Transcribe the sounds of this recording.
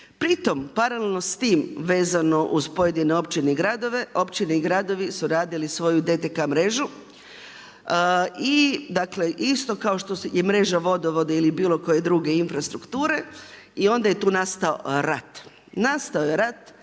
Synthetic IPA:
pɾit̪o̞mpaɾalelno̞st̪iːmʋe̞ːzano̞ʔuzpo̞je̞d̪ineo̞pt͡ʃineiɡɾad̪o̞ʋe̞ʔo̞pt͡ʃineiɡɾad̪o̞ʋisuɾaːd̪ilisʋo̞jud̪e̞t̪ekamɾe̞ʒu | id̪akle̞ʔist̪o̞kao̞ʃt̪o̞jemɾe̞ʒaʋo̞d̪oʋo̞d̪eilibiːlˠo̞ko̞je̞d̪ɾuɡe̞infɾast̪ɾukt̪uːɾe̞ | io̞nd̪aje̞t̪uːnast̪ao̰ɾat̪ | nast̪aojeɾat̪

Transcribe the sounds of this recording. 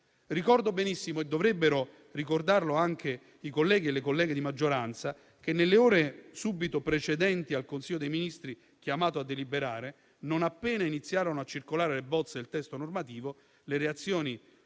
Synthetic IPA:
rikɔrd̪obenisːimoed̪ːovɾɛbːeɾo | rikord̪arloaŋk̟e | ikolːɛːɡ̟ielːekolːɛːɡed̪imad͡ʒːoɾant̪sa | k̟enːelːeɔːɾesubit̪opɾet͡ʃed̪ɛnt̪ialkonsilːod̪ejminist̪ɾi | k̟jamaːt̪oad̪ːelibeɾaːɾe | nonapːɛːnainit̪sːjaːɾonoat͡ʃːirkolaːɾelebɔt̪sːed̪elt̪ɛst̪onormat̪iːvo | leɾeat̪sːjoːni

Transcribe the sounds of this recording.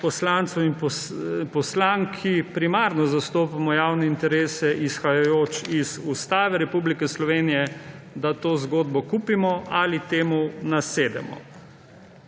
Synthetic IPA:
pɔslant̪sɔwinpɔpɔslaŋkʰipɾimaːɾnɔzast̪oːpamɔjaːwnɛint̪ɛɾeːsɛʔisxajajoːt͡ʃizust̪aːʋɛɾɛpublikɛslɔʋeːnijɛd̪at̪oːzɡoːd̪bɔkuːpimɔalit̪eːmunaseːd̪ɛ̰mɔ̰

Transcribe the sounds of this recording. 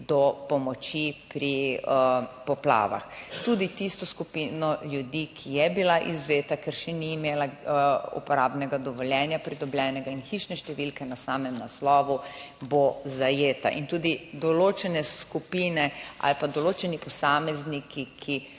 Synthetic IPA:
d̪ɔpɔmɔt͡ʃipɾi | pɔpla̰ːʋa̰xt̪ud̪it̪ist̪ɔskupiːnɔljud̪ikʰijɛbilaʔizʋeːt̪akɛɾʃɛniːmeːlaṵpɔɾaːbnɛɡad̪ɔʋɔljɛːnjapɾid̪ɔbljɛːnɛɡainxiʃnɛʃt̪ɛʋilkɛnasaːmɛmnaslɔːʋubozajeːt̪a̰ʔḭnt̪ud̪id̪ɔlot͡ʃɛnɛskupiːnɛa̰lpad̪ɔloːt͡ʃɛnipɔsaːmɛznikʰikʰi

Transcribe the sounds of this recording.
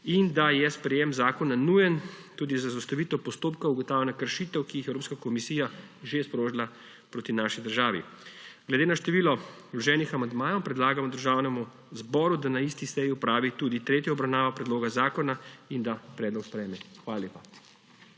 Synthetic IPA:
ind̪ajɛspɾɛjemzaːkɔnanujənt̪uːd̪izazast̪ɐʋiːt̪ɔpɔst̪oːpkauɡɔt̪awlɛnakəɾʃit̪ɛwkiixɛwɾoːpskakɔmisiːja | ʒespɾoːʒila | pɾoːt̪inaʃid̪əɾʒaːʋḭɡlɛd̪eːnaʃt̪ɛʋiːlɔ | lɔʒɛːnixamand̪maːjɔwpɾɛd̪laːɡamɔd̪əɾʒaːwnɛmu | zbɔːɾud̪anaist̪isɛjiɔpɾaːʋit̪uːd̪it̪ɾeːt̪jɔɔbɾawnaːʋɔpɾɛd̪loːɡazaːkɔnaind̪apɾɛːd̪lɔkspɾɛjmɛxʋaːlaleːpa

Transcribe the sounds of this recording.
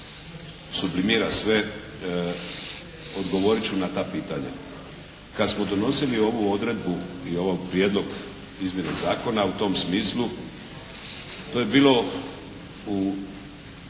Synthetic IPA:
sublimiɾasʋe | od̪ɡo̞ʋo̞ɾit͡ɕunat̪apiːt̪aɲa̰ | kad̪smo̞d̪ono̞silio̞ʋuo̞d̪ɾe̞d̪buio̞ʋojpɾjeːd̪lo̞ɡ | izmje̞nezaːko̞naut̪o̞msmiːslu | t̪o̞je̞biːlo̞ | u

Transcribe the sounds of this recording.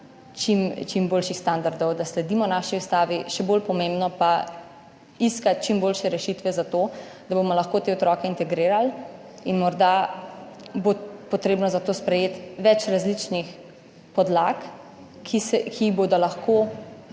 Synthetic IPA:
t͡ʃimt͡ʃimboːlʃixst̪and̪aɾd̪ɔwd̪aslɛd̪iːmɔnaːʃiust̪aːʋiʃɛboːlpɔmẽmbnɔpa | iskat̪̚t͡ʃimboːlʃɛɾɛʃit̪ʋɛzat̪o | d̪abomɔlɐxkoːt̪eːɔt̪ɾɔːkɛint̪ɛɡɾiːɾal | inmɔɾd̪a | bopɔt̪ɾeːbnɔzat̪oːspɾɛjeːt̪ʋɛt͡ʃɾazlit͡ʃnix | pɔd̪lakː | isɛkʰiboːd̪ɔlaxko

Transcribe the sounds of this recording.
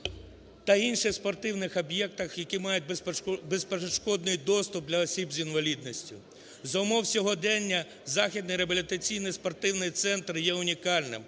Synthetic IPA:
t̪ɐinʃɪxspɔrt̪ɪwnɪxɔbjɛk̚t̪ɐxjɐkimɑjʊt̚ʲbespeʃkɔd̪nʊjd̪ɔst̪ʊp̚d̪lʲɐɔsʲibzʲinʋɐlʲid̪̚nɔsʲtʲʊ | zɐʊmɔwsʲɔɦɔd̪ɛnʲːɐ | zɑxʲid̪nɪjɾebɐlʲit̪ɐt͡sʲijnɪjspɔrt̪ɪwnɪjt̪sɛnt̪rjɛʊnʲikɑlʲnɪ̰m

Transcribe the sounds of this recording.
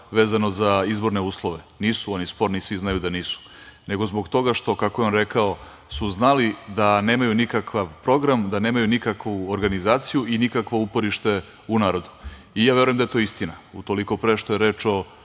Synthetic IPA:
ʋeːzano̞zaizbo̞ɾne̞uːslˠo̞ʋeniːsuonispo̞ɾnisʋiznajud̪aniːsu̥ | ne̞ɡo̞zbo̞ɡt̪o̞ɡaʃt̪o̞kako̞jeo̞nɾe̞kao | suznalid̪ane̞ːmajunikakʋaʋpɾo̞ɡɾamd̪ane̞ːmajunikakʋuoɾɡanizaːt̪sijuʔinikakʋo̞upo̞ɾiʃt̪e̞ | unaːɾo̞d̪u̥ | ijaːʋe̞ɾujemd̪ae̞t̪o̞ist̪inaut̪o̞liko̞pɾeʃt̪o̞je̞ɾeːt͡ʃo̞

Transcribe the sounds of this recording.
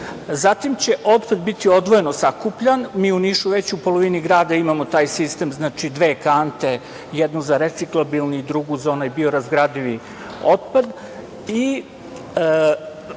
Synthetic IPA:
zat̪imt͡ɕe̞ʔo̞t̪pad̪bit̪io̞d̪ʋoje̞no̞sakupʎanmiːuniʃuʋe̞t͡ɕupo̞lˠo̞ʋiniɡɾaːd̪aimamo̞t̪aːjsist̪emznaːt͡ʂid̪ʋeːkant̪e̞ | jed̪nuzaɾet̪siklˠobilˠniid̪ɾuɡuzaonajbio̞ɾazɡɾad̪iʋi | o̞t̪̚pad̪ | i

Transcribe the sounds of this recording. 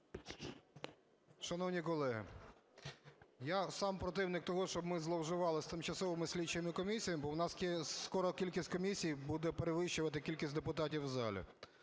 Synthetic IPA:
ʃɐnɔwnʲikɔlˠɛɦɪ̰ | jasɑmpɾɔt̪̬ɪwnɪk̚t̪ɔɦɔʃt͡ʃɔbmɪzlˠɔwʒɪʋɑlˠɪst̪ɪmt͡ʃɐsɔʋɪmɪsʲlʲit͡ʃejɐmɪkɔmʲisʲijɐmbɔwnɑskʲɛskɔɾɔkʲilʲkʲisʲtʲkɔmʲisʲijbud̪ɛpeɾeʋɪʃt͡ʃʊʋɐt̪ɪkʲilʲkʲisʲtʲd̪epʊt̪ɑtʲiwzɑlʲḭ

